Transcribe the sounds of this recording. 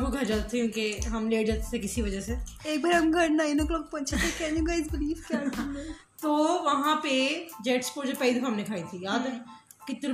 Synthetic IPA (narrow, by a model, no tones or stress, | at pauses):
buɡʱɐɾd͡ʒaːd̪t̪ʰːekjũːkeɦɐmleːɽd͡ʒat̪sʰekɪsiʋɐd͡ʒəseeːk̚baɾɐmɡʱɐɳnaːɪnokloːk̚pɐ̃t͡ʃʰat̪ʰekɛːnuɡaːɪzbɪliːfkjaː | t̪oːʋɐɦãped͡ʒɛːʈspoːɾd͡ʒəpɛlid̪ɐfãɦɐmnekʰaːit̪ʰijaːd̪ɛkɪt̪ːɾ